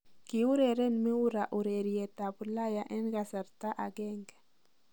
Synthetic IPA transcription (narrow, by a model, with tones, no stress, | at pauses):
ki˨u˦ɾɛ˨ɾɛ˦nmi˦u˦ɾa˨ʔu˨ɾe˨ɾijɛ˨ta˨bu˨la˦ja˨ʔɛ˦nɡa˨sa˨ɾta˦ʔa˨ɡɛ˦ŋɡɛ˨